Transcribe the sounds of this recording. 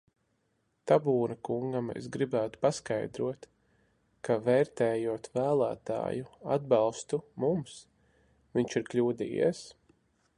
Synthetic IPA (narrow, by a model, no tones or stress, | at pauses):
t̪abuːnakuŋɡamḛsɡɾibæːt̪u̥paskajd̪ɾuɔt̪ | kavɛːɾt̪ɛːjuɔt̪væːlˠæ̰ːt̪a̰ːjuad̪̚bɑlˠst̪umums | viɲt͡ʃiɾklʲuːd̪ḭːjḭɛs